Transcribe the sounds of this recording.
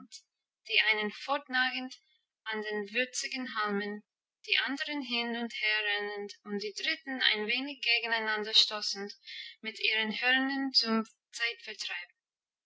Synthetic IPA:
t | d̥iːʔaɪnənfɔɹtnaːɡən̩t | andeːnvʏɐt͡sɪɡn̩ɦalmən | d̥iːʔandəʁənɦɪnʊntheːɐʁɛnəntʊntd̥iːdʁɪtn̩a̰ɪnveːnɪçɡ̥eːɡən̩aɪnandɐʃtɔsn̩tmɪtiːʁənhøːʁəndənt͡sʊm | t͡saɪtfɛtʁ̥aɪb̚n̩

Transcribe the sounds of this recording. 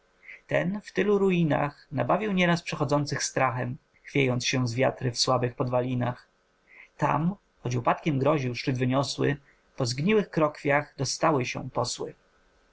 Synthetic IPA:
t̪ɛnft̪ɘluɾujina̰xnabavʲiwɲɛɾaspʂɛxɔd̪zɔnt̪sɘxst̪ɾaxɛm | xfʲjejɔnt̪sɕɛ̃zvʲjat̪ɾɘfswabɘxpɔd̪valʲinax | t̪a̰m | xɔd͡ʑupat̪kʲɛmɡɾɔʑiwʂt͡ʂɘd̪vɘɲɔswɘ̰ | pɔzɡɲiwɘxkɾɔkfʲjaɣd̪ɔst̪awɘɕɛ̰̃pɔswɘ̰

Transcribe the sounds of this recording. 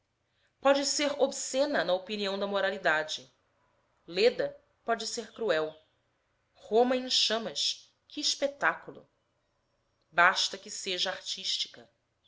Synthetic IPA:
pɔd͡ʒɪseɾobsẽnɐnɐopiniɐ̃w̃d̪ɐmoɾalid̪ad͡ʒɪ | led̪ɐ | pɔd͡ʒɪseɾkɾuɛw | hõmɐẽʃɐ̃mɐʃ | kɪʃpet̪akulˠʊ̰ | baʃt̪ɐkɪseʒɐaɾt͡ʃiʃt͡ʃi̥kɐ

